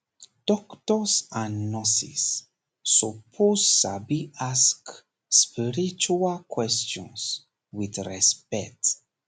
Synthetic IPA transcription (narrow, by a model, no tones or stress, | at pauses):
d̥ɔktɔsãnnnɔsḭsː | upʰossabiask | spiɹit͡ʃualkwɛstɔ̃ns | widɹɛspɛt